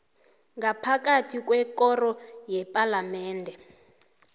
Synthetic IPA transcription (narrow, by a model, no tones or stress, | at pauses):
ŋɡapʰak̬atʰikwɛkɔrɔjɛpʼalamɛːndʱɛ